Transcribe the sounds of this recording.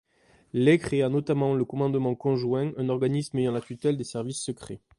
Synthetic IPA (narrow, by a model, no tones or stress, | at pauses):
lekχeanɔt̪amɑ̃ləkɔmɑ̃d̪mɑ̃kɔ̃ʒwɛ̃ɛ̃nɔʁɡanismejɑ̃lat̪yt̪ɛld̪esɛʁvisːəkχe